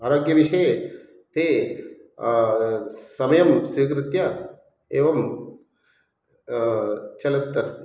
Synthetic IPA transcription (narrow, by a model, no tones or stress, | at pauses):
aːɾoːɡjɐʋiʂɐe | t̪eː | sɐmɐjɐmsik̬ɾɪt̪jɐ | eːʋɐm | t͡ʃɐlɐt̪ːɐst̪